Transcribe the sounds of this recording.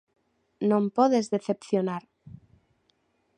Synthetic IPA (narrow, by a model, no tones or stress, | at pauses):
nõmpoðezðeθe̞pθjonaɾ